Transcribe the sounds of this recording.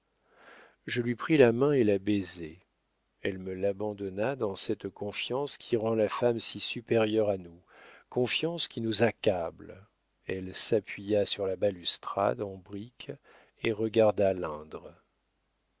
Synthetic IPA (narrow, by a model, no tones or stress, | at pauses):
ʒəlɥipχilamɛ̃elabeze | ɛlməlabɑ̃d̪ɔnad̪ɑ̃sɛt̪kɔ̃fjɑ̃skʲʰiʁɑ̃lafamsisypeʁjœʁanu | kɔ̃fjɑ̃skʲinuzakabl | ɛlsapɥijasyʁlabalyst̪χa̰d̪ɑ̃bʁik | eʁəɡaʁd̪alɛ̃d̪ʁ